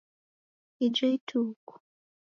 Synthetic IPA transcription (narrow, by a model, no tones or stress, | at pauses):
id͡ʒɔitʰuːku̥